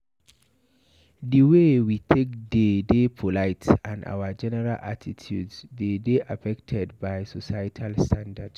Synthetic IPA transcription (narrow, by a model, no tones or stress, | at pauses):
diwewitʰek̚dedepʰolaɪtsãna̰wəd͡ʒɛnɛɹalʔa̰tʰitʰjṵdsdedeʔafɛktʰɛdbajsosatʰalstʰãndad̥s